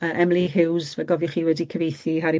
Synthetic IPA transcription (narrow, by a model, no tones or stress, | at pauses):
əʔɛmlˠiɦɪwzvɛɡɔvjʊχiːwɛdikʰəvejθiɦaɾi